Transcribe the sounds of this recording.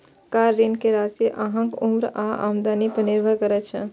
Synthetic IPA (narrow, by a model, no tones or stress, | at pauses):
kaɾːinkeɾasiʔaɦə̃ŋkumɾaa̰md̪anipəniɾbʱəkəɾɛt͡ʃʰə̰